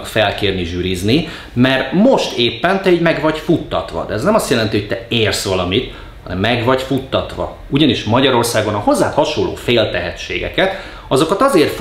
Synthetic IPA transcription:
kfɛlkeːrniʒyːɾizni | mɛrtmo̞ʃt̪eːpːɛnt̪ɛiːɟmɛɡʋɒɟfut̪ːɒt̪ʋɒ̰d̪ɛɛznɛmɒst̪jɛlɛnt̪iho̞c̚t̪ɛeːrsʋɒlɒmit̪ | ɒnɛ̰mːɛɡʋɒɟfut̪ːɒt̪ʋɒ̰ | uɟɒniʃmɒɟɒɾo̞rsaːɡo̞nɒho̞zːaːt̪hɒʃolːo̰ːfeːlt̪ɛɦɛt͡ʃːḛːɡɛ̰kɛt̪ | ɒzo̞kɒt̪ɒzeːrf

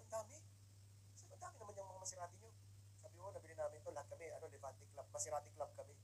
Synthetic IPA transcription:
nd̪aːmɪ | samod̪aːmɪnɐmanɲjaŋmɐŋamɐsɪɾaːt̪ɪɲo | sabɪmonɐbilɪnːaːmɪnt̪olɐhat̪̚kɐmɛɐnolɪbat̪ɪklab̚mɐsɪɾaːt̪ɪklab̚kɐmɛ

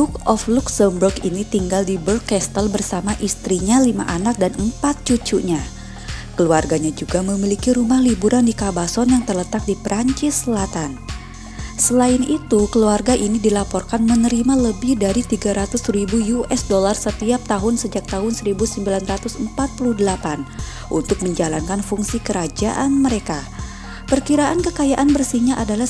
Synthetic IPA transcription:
lukɔfluksəmbərɡinit̪iŋɡaldibəlkɛst̪əlbərsamaʔist̪ɾiɲalima̰ʔanak̚danəmpat̪̚t͡ʃut͡ʃuʔɲa | kəluarɡaɲad͡ʒuɡaməmilikiɾumahlibuɾʔandikabasɔnjaŋt̪ərlət̪ak̚dipɾaɲt͡ʃɪsəlat̪an | səlaɪnit̪ukəluarɡaʔinidilapɔrkanmənəɾimaləbɪhdaɾit̪iɡaɾat̪ʊsribujuɛsdolarsət̪iap̚t̪aɦʊnsəd͡ʒak̚t̪aɦʊnsəɾibusəmbilanrat̪ʊsəmpat̪̚pulʊhdəlapan | ʔṵnt̪ʊk̚məɲd͡ʒalankanfuŋsikəɾad͡ʒa̰ʔanməɾeka | pərkiɾaʔankəkajaʔanbərsihɲaʔadala

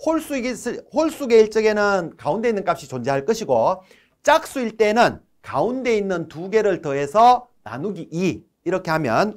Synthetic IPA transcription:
hoɭs͈uiɡsʰhoɭs͈uɡe̞iɭt͡ɕ͈ʌɡe̞nɯnkaunde̞inːɯnk͈ap̚ɕ͈it͡ɕond͡ʑeɦaɭk͈ɯɕʰiɡo | t͡ɕ͈ak̚s͈uiɭt͈e̞nɯn | kaunde̞inːɯntuɡe̞ɾɯɭtʌɦe̞sʰʌ | na̰nuɡiʔi | iɾʌkʰe̞ɦamjʌn

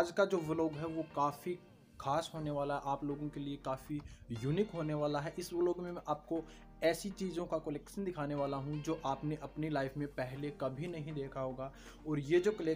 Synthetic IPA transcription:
aːd͡ʒkad͡ʒoːʋɪloːɡɦɛʋokaːfi | xʰaːsɦoːneʋaːlaɦɛʔaːploːɡõkeliekaːfijuːniːkɦoːneʋaːlaɦɛʔɪsʋɪloːɡmẽmɛ̃ʔaːp̚ko | ɛːsit͡ʃiːzõkakolɛːkʃənd̪ɪkʰaːneʋaːlaɦũd͡ʒoːʔaːpneʔɐpnilaːɪfmẽpɛɦlekɐbʱinɐɦĩd̪eːkʰaɦoːɡaː | ɔːɾjed͡ʒoːkɐlɛː

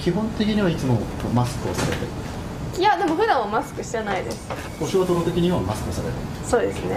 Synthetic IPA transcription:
kʲiɦõ̞nt̪e̞kʲiɲ̟iβait͡sɨmomasɨ̥kɯ̟o̞saɾe̞̰t̪eɾ | jad̪e̞mo̞ɸɯ̟d̪ãβamasɨ̥kɯ̟ɕi̥anaid̪e̞sɨ̥ | b̥o̞ɕot̪oɾot̪e̞kʲiɲ̟iβamasɨ̥kɯosaɾet̪ḛ | so̞ːd̪e̞sɨne̞

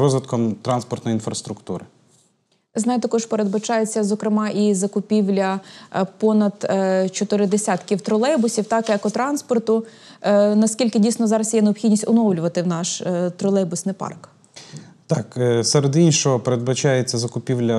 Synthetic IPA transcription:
ɔzʋɪt̪kɔmt̪ɾɑnspɔrt̪nɔjinfɾɐst̪ɾʊkt̪uɾɪ | znɑjt̪ɐkɔʒpeɾed̪̚bɐt͡ʃɑjet͡sʲːɐzɔkɾɪmɑʔizɐkʊpʲiwlʲɐpɔnɐd̪t͡ʃɔt̪ɪɾɪd̪esʲat̪kʲiwt̪ɾɔlˠɛbʊsʲiwt̪ɑkjɐkʊt̪ɾɑnspɔrt̪ʊ | nɐskʲilʲkɪdʲijsnɔzɑɾɐsjɛneɔpxʲidʲnʲisʲtʲʊnɔwlʲʊʋɐt̪ɪwnɑʃt̪ɾɔlˠɛbʊsnɪjpɑ̰rk | t̪ɑksɛɾed̪inʲʃɔɦɔpeɾed̪bɐt͡ʃɑjet͡sʲːɐzɐkʊpʲiwlʲɐ

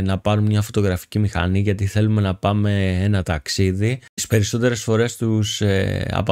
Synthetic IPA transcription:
nɐpɐɾummɲɐfo̞t̪o̞ɣɾɐfi̥cimixɐ̰niʝɐt̪iθe̞lume̞nɐpɐme̞enɐt̪ɐksiðii̥spe̞ɾiso̞t̪e̞ɾe̞sfo̞ɾe̞st̪useɐ̰p

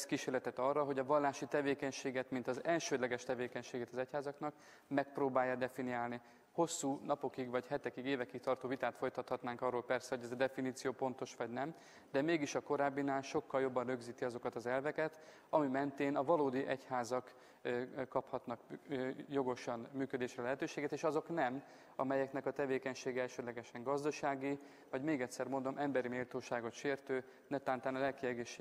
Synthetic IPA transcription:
skiːʃeːrlɛt̪ɛt̪ɒrːɒɦo̞ɟɒvɒlːaːʃit̪ɛveːkɛɲʃeːɡɛt̪mint̪ɒzɛlʃøːd̪lɛɡɛʃt̪ɛveːkɛɲʃeːɡɛt̪ɒzɛchaːzɒknɒk | mɛk̚proːbaːjːɒd̪ɛfinijaːlni | ho̞sːuːnɒpo̞kiɡvɒchɛt̪ɛkiɡeːvɛkik̚t̪ɒrt̪oːvit̪aːt̪fo̞jt̪ɒt̪hɒt̪naːŋkɒrːoːlpɛrsɛɦo̞ɟɛzɛd̪ɛfiniːt̪sijoːpo̞nt̪o̞ʃʋɒɟnɛm | d̪ɛmeːɡiʃɒko̞ɾaːbːinaːlʃo̞kːɒljo̞bːɒnrø̞ɡziːt̪iɒzo̞kɒt̪ɒzɛlvɛkɛt̪ | ɒmimɛnt̪eːnɒvɒloːd̪iʔɛchaːzɒk | kɒphɒt̪nɒkjo̞ɡo̞ʃɒnmyːkød̪eːʃrɛlɛɦɛt̪øːʃeːɡet̪eːʃɒzo̞knɛm | ɒmɛjɛknɛkɒt̪ɛveːkɛɲʃeːɡɛɛlʃød̪lɛɡɛʃɛŋɡɒzd̪ɒʃaːɡi | vɒɟmeːɡɛtʲsɛrmo̞nd̪o̞mʔɛmbɛɾimeːlt̪oːʃaːɡo̞t̪ʃeːrt̪øː | nɛt̪aːnt̪aːnɒlɛlkiɛɡeːʃe

